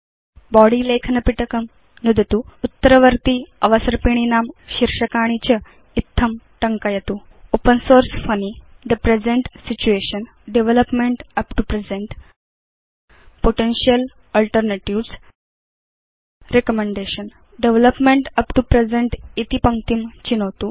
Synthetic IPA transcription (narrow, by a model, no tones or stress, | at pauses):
bɔɽilekʰnɐpiʈəkəm | nud̪ʱt̪uːut̪ːəɾəʋəɾt̪iːəʋəsəɾpiɽ̃inamɕiɾʂəkaɽ̃it͡ɕə | it̪ʰːəm | ʈəŋkajet̪uː | opənsoɾsfənid̪əpɾed͡zeɳʈsit͡ɕueɕən | ɖeʋeləpmeɳʈəpʈupɾed͡zeɳʈ | poʈenɕijəl | əlʈəɾneʈiʋs | ɾekəmeɳɖeɕən | ɖeʋləpmeɳʈəpʈupɾed͡zeɳʈit̪ipəŋt̪imt͡ɕinoʋt̪u